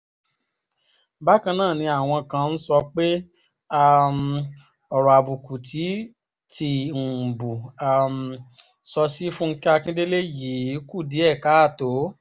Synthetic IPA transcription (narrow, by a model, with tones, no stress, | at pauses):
ba˦kã˧nãː˦˨nĩ˧a˨w̃ɔ̃˧kã˧n̩˦sɔ˧k͡pe˦ | a˦˧m̩˧ | ɔ˨ɾɔ˨a˨bu˨ku˨tʰi˨˦ | tʰi˧˦ŋ̩˨bu˨a˦˨m˧ | sɔ˧si˦fũ˦ŋ̩˦kɛ˦a˦˧kĩ˦de˦le˦ji˨˦ku˦˨di˨˦ɛ˦˨ka˨˦a˦˨to˨˦